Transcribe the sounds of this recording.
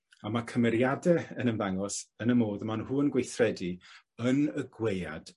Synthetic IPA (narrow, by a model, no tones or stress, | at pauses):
amakʰəmɛɾjadɛənənðaŋɔsənəmoːðəmanhuːnɡwejθrɛdi | ənəɡweja̰d̥